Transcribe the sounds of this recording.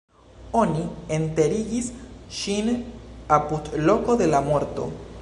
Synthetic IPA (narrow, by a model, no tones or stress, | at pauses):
o̞niente̞ɾiɡisʃinapudlo̞ko̞de̞lamo̞ɾto̞̰